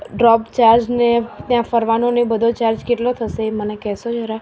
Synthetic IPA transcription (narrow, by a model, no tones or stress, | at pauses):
ɖɾɔpt͡ʃaɾd͡ʒnet̪jãfəɾʋanonebəd̪ʱot͡ʃaɾd͡ʒkeʈlot̪ʰəsemənekɛɦsod͡ʒəɾa